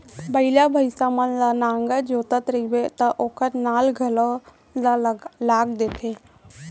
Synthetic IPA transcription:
bəɪlabʱəɪsamənlanãːŋɡəd͡ʒoːt̪ət̪ɾəibet̪əʔoːkəɾnaːlɡʱəlo | lalaːɡ̚d̪eːt̪ʰe

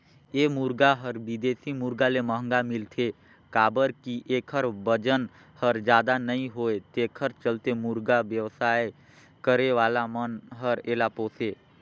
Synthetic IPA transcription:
eːmʊɾɡaɦəɾbɪd̪eːsimʊɾɡaleməɦə̃ŋɡamɪlt̪ʰe | kaːbəɾkiʔeːkʰəɾbəd͡ʒən | həɾd͡ʒjaːd̪anəĩɦoːet̪eːkʰəɾt͡ʃəlt̪emʊɾɡaʋjəʋsaːe | kəɾeʋaːlamənɦəɾeːlaːpoːseː

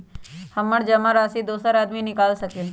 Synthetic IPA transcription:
hɐmːəɽd͡ʒɐmaɾaːsid̪oːsəɾaːd̪minɪkaːlsɐke

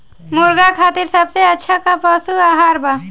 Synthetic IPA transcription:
moɾɡakʰaːt̪iɾsəbseətːʃʰakapəsuaːɦaːɾba

